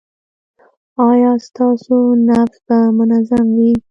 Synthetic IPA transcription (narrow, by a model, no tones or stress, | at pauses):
ɑjɑst̪ɑsonafsbamʊnazamwi